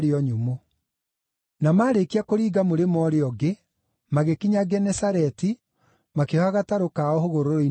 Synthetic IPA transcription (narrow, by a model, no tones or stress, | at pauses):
ɾeɔɲumo | namaːɾekiakoɾiːɡamoɾemɔɾeɔɡe | maɣekiɲaɡɛnɛsaɾɛti | makehaɣataɾokaɔhoɣoɾoɾoi